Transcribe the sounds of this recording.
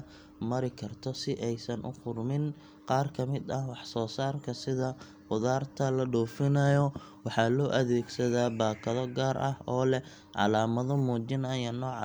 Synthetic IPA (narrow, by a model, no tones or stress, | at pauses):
mɐɾɪkʰɐrt̪ʰɔsɪʔɛjsɐnʔʊ̰qʊrmɪn | qɑːrkʰɐmɪd̪ɐhwɑħsɔːsaːrkʰɐsɪðɐ | qʊðaːrt̪ʰɐlɐɖɔːfɪnɐjɔ | wɑħɑːlɔːʔɐðɛːɡsɐðaːbaːkʰɐðɔɡaːɾʔɐhɔːlɛ | ʕɑ̰laːmɐðɔmuːt͡ʃɪnɐjɐnːɔːʕ